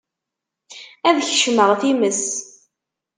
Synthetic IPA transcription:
æðçʃməʁθiməs

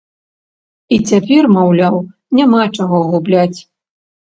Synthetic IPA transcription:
it͡sʲapʲɛrmawlʲaw | nʲamat͡ʂaɣɔɣublʲat͡sʲ

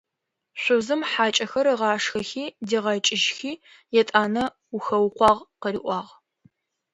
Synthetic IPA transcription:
ɕʷʊzɨmħaːt͡ʃʼɐxɐɾɨʁɑːʂxɐxiːdeːʁɐt͡ʃʼɪʒxiː | jɛtʼaːnɐ | uxɐwqʷɑːʁqəɾiːʔʷɑːʁ

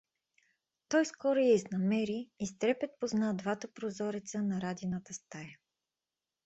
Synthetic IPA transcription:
t̪ɔjskɔɾʊjɛiznɐmɛɾiist̪ɾɛpʲɛt̪̚poznad̪vat̪əpɾozɔɾit̪sənɐɾad̪ʲinət̪əst̪ajə

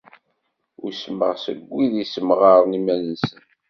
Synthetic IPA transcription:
ʊɾsəməʁsəɡʷːiðisəmʁɑɾˤnimænənsən

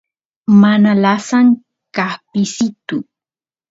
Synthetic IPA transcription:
manalasan | kahpisit̪u

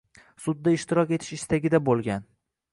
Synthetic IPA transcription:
sʊd̪ːaɪʃt̪ɪɾɒkʲe̞t̪ʰɪ̥ʃɪst̪aɡʲɪd̪abolˠɡʲan

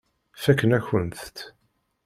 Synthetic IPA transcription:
fækːənæçənθt̪

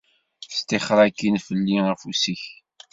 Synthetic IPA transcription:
θst̪eχɾˤakːinfəlːiʁfusiç

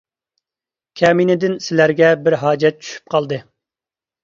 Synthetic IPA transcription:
kʲʰɛminɪd̪ɪnsɪlæɾɡʲɛbɪɾɦɑːd͡ʒɛt̪̚t͡ʃʰy̥ʃy̥p̚qʰɑlˠd̪ɨ

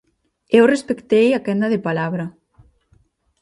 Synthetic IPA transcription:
ewrespekt̪ejakɛnd̪ɐðepalaβɾɐ

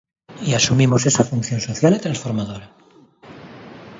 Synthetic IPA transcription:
iasumimosesafunθjo̞nso̞θjalet̪ɾansfo̞ɾmaðoɾa

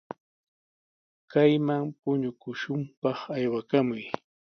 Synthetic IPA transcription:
kajmampʊɲʊkʊʃʊmpɑχajwakamʊj

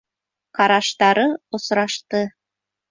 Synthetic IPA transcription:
kɑɾɑʃt̪ɑɾɤŏsɾɑʃt̪ɤ

